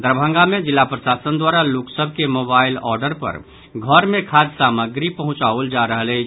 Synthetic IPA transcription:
d̪əɾbʱə̃ŋɡamed͡ʒilːapɾəsasənd̪waɾaloksəbʱkemobailɔ̰ɾɖəɾpə̰ɾ | ɡʱəɾmekʰad͡ʒsaməɡɾipəɦʊ̃t͡ʃauld͡ʒaɾəɦəlɛ

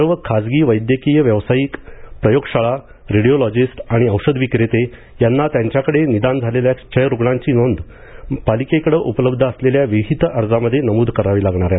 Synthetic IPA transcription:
əɾʋəkʰad͡zɡiːʋəjd̪jəkijəʋjəʋsajiːkpɾəjoɡɕaɭa | ɾiɽiolɔd͡ʑisʈaɽ̃iəwʂəd̪ʋikɾet̪e | janːat̪jaɲt͡ɕjakəɽenid̪and͡zʱaleljat͡ɕʰəjɾuɡɳãɲt͡ɕiːnond̪ | palikekəɽəʔupələbd̪ʱəəsleljaʋiɦit̪əɾd͡zaməd̪ʱːjenəmuːd̪ʱkəɾaʋiːlaɡɳ̃aɾjat̪

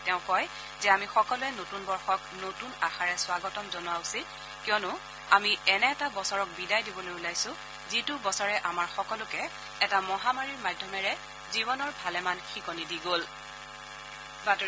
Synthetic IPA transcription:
tɛʊ̃kɔj | zɛamixɔkɔlʊɛnotunbɔɹxɔknotunaxaɹɛswaɡɔtɔmzɔnʊwausil | kiɔnʊ | amiɛnɛːtabɔsɔɹɔk̚bidajdibɔlojulajsʊ̃ | zitʊbɔsɔɹɛʔamaɹxɔkɔlʊkɛː | tamɔɦamaɹiɹmadʱːɔmɛɹɛ | zibɔnɔɹbʱalɛmanxikɔnidiɡol | bat

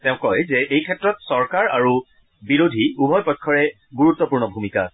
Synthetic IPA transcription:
tɛʊ̃kɔjzɛʔejkʰɛtɹɔtsɔɹkaɹaɹu | biɹodʱiubʱɔjpɔkʰːɔɹɛ | ɡuɹutːɔpuɹnɔbʱumika̰

